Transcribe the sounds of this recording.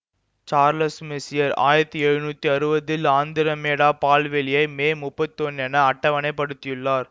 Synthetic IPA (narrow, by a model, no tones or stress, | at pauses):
t͡ʃaːɾlɐsmɪsɪjɐɾa̰ːjɪɾɐt̪ːiɛɻɯnuːt̪ːiɐɾɯbɐðɪlaːnd̪ɪɾɐmeːɽaːpaːlʋɛlɪjɐɪmeːmʊpːɐt̪ːiɔnɛnɐɐʈːɐʋɐnɐɪpːɐɽɯt̪ːɪjɯɭːaːɾ